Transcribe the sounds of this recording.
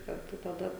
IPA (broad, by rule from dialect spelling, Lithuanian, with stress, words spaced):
kɐrˈtʊ tɐˈdɐ